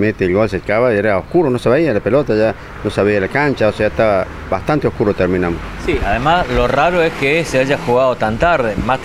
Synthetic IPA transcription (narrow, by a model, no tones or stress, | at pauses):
mẽnt̪eːlɡolsekaβaeɾaohkuɾonoseβeialapelot̪aʒa | noseβialakant͡ʃaoseaet̪aβa | baht̪ant̪eohkuɾot̪eɾmĩnamossiaðemasloraɾoeskeseaʒaxuɣaðot̪ant̪aɾðema